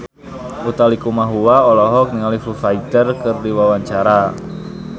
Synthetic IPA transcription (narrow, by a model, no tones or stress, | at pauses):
ut̪alikumaɦuwaɔlɔɦɔk̚niŋalifufait̪ərkərdiwawaɲt͡ʃaɾa